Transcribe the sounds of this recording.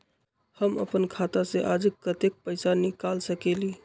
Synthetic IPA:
həmə̰pənkʰat̪aseʔad͡ʒəkːət̪ek̚pəjsanikalsəkeli

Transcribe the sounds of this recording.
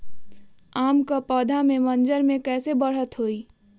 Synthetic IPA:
amkəpəd̪ʱamemənd͡ʒəɾmẽkɛːsebəɽ̤ət̪ɦoi

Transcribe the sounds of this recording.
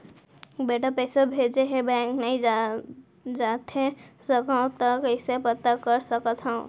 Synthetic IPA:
beʈapəɪsebʱed͡ʒeɦẽbɛ̃knəĩ | d͡ʒat̪ɦẽsəkãt̪əkəɪsepət̪ːakəɾsəkət̪ɦə̃ʊ̃

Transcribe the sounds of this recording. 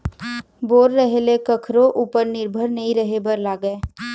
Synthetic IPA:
boːɾːəɦelekəkʰɾoʔuːpəɾnɪɾbʱəɾnəɦĩɾəɦebʱəɾlaːɡəe

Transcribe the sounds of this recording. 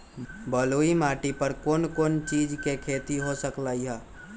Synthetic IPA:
bəloːimaːʈipəɾkoːnkoːnt͡ʃiːd͡ʒkekʰeːt̪iɦosəklaːiɦɛː

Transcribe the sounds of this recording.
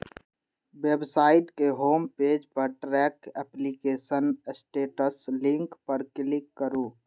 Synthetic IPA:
websaːɪʈkeɦoːmpeːd͡ʒpəɾʈɾɛːkɛplikeːsənsʈeːʈəslɪ̃ŋkpəɾkɪlɪkːəɾuː

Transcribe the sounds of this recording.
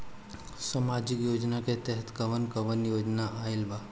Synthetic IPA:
samaːd͡ʒɪkjoːd͡ʒnaket̪ɛɦət̪kəʋənkəʋənjoːd͡ʒnaʔaːɪlba

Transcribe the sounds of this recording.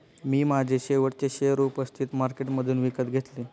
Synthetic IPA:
miːmad͡ʑʱeɕeʋəʈt͡ɕeɕejəɾupəst̪ʰit̪maɾkeʈməd̪ʱuːnʋikət̪ɡʱet̪leː

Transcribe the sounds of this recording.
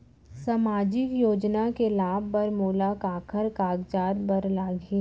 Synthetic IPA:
samaːd͡ʒɪkjoːd͡ʒnakelaːbpɐɾmoːlakaːkʰəɾkaːɡd͡ʒaːd̪bɐɾlaːɡeː

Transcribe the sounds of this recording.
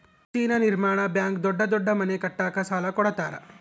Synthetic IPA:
t͡ʃiːnɐniɾmaːɳ̃ɐbjaːŋkd̪ɔɖːɐd̪ɔɖːɐmɐnekɐʈːaːkɐsaːlɐkɔɽɐt̪aːɾɐ̰

